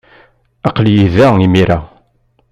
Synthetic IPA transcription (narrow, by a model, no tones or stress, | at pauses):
ɑqljiðæimiɾæ